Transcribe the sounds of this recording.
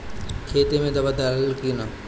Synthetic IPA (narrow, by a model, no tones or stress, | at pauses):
kʰeːt̪emẽd̪ɐbad̪aːləlkina